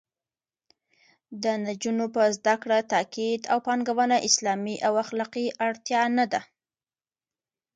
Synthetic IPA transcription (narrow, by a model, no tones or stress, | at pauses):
d̪ənad͡ʒunopəzd̪akɽat̪ɑkid̪awpɑŋɡawənaʔɪslɑmiʔawaxlɑqiʔaɽt̪jɑnad̪a